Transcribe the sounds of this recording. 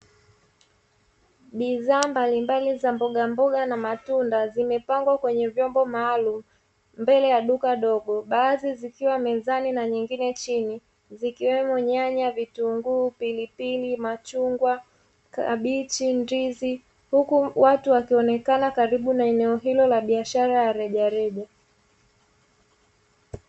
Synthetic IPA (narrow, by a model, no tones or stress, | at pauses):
ɓiðaːmbalimbalizambɔɠambɔɠanamatundazimɛpaŋɡwakwɛɲɛvjɔmbɔmaːlum̩ | mbɛlɛjaɗukaɗɔɠɔɓaːzizikiwamɛzaninaɲiŋɡinɛt͡ʃini | zikiwɛmɔɲaɲavituŋɡupilipilimat͡ʃuŋɡwa | ka̰ɓit͡ʃindizi | hukuwatuwakiɔnɛkanakaɾiɓunaɛnɛɔɦilɔlaɓiaʃaɾajaɾɛʄaɾɛʄa